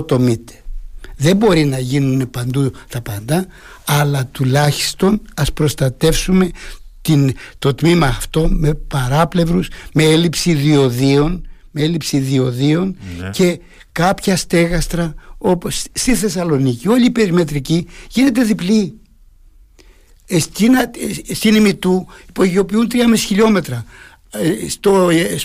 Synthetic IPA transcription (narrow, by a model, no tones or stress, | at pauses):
t̪o̞mit̪e̥ðe̞mbo̞ɾinɐʝinune̞pɐnd̪ut̪ɐpɐnd̪ɐ | ɐlɐt̪ulɐçi̥st̪o̞nɐspɾo̞st̪ɐt̪e̞fsume̞t̪int̪o̞t̪mimɐːft̪o̞me̞pɐɾɐple̞vɾuzme̞elipsiðio̞ðio̞nmeelipsiðio̞ðio̞nce̞ | kɐpçɐst̪e̞ɣɐst̪ɾɐo̞posːt̪iθe̞sɐlo̞nicio̞ʎipe̞ɾime̞t̪ɾiciʝine̞t̪̬e̞ðipli | st̪inɐst̪inimit̪uipoʝio̞piunt̪ɾiɐmisçiʎo̞me̞t̪ɾɐ | st̪o